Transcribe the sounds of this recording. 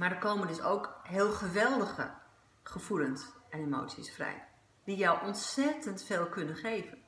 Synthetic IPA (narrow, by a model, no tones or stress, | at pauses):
maɹdəkoːmənɪsowkɦɪːlˠχəʋɛlˠdəχə̰ | χəfulənsɛnemo̰wsisfrɛ̰j | d̥ijɔwʔɔnsɛtəntfeːlˠkɵnənχejvən